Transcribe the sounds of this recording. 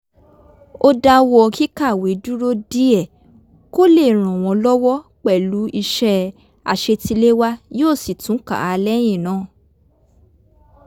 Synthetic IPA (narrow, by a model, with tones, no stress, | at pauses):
o˦da˧wɔ˦˧ɔ˧ki˦ka˦˨we˨˦du˦ɾo˦di˦ɛ˦˨ | ko˦le˦˨ɾ̃ɔ̃˨w̃ɔ̃˧lɔ˦wɔ˦k͡pɛ˦˨lu˨˦i˧ʃɛ˧˦ | a̰˨ʃe˧ti˧le˦wa˦joː˦˨si˨tũ˨˦ka̰˨a˨˧lɛ˦j̃ĩ˦˨nãː˦˨